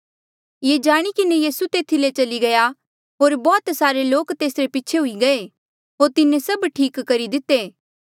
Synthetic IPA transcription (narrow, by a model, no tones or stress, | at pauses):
jeːd͡ʒaːɽ̃ikɪnejiːsut̪eːt̪ʰilet͡ʃɐliɡɐja | ɦoːɾbɔːt̪saːɾeloːkt̪eːsɾepiːt͡ʃʰeɦʊiɡɐe | ɦoːɾt̪ɪnẽsɐbʈʰiːkːɐɾid̪ɪt̪ːeː